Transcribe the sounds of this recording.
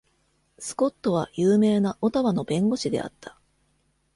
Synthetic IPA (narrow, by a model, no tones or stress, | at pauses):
sɨ̥ko̞t̪ːo̞β̞ajɯːme̞ːnaʔo̞t̪aβano̞bẽ̞ŋɡo̞ɕid̪e̞̰a̰t̪ʰːḁ